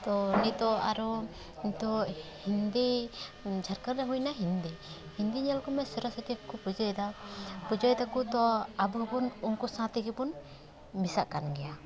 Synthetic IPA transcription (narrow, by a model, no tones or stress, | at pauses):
t̪ɔnit̪ɔa̰ɾɔ | nit̪ɔhind̪i | d͡ʒʱaɾkaɾdɛɦucnaɦind̪ɛ | hind̪iɲɛlkɔmɛsəɾasət̪ikupud͡ʒɔjd̪apud͡ʒɔjd̪akut̪ɔabubunɔŋkɔsãt̪ɛɡɛbun | misaʔkanɡɛja